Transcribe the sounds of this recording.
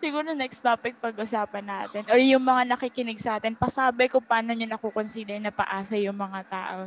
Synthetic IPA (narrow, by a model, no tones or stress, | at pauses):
sɪɡuːɾonɛkst̪oːpɪk̚pɐɡʔʊsaːpɐnːaːt̪ɪnʔoɹjʊŋmɐŋanɐkikɪnɪɡ̚sɐʔaːt̪ɪnpɐsaːbɛkopaːnoɲonɐkokonsiːd̪ɛɹnɐpɐ̰ʔaːsɐjʊŋmɐŋat̪a̰ːʔo̞